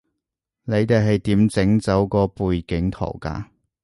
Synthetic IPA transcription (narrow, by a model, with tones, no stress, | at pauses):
ne˨˧jt̪e˨jɦɐ˨jt̪iː˨˥mt͡sɪ˨˥ŋt͡sɐ˨˥wkɔː˧puː˨jkɪ˨˥ŋt̪ʰo̰˨˩wka̰ː˧